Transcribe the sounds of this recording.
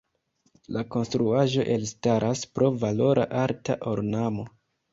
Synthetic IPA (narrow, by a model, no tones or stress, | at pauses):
lako̞nstɾuaʒo̞ʔe̞lstaɾʔaspɾo̞valo̞ɾʔa̰ʔaɾtaʔo̞ɾnamo̞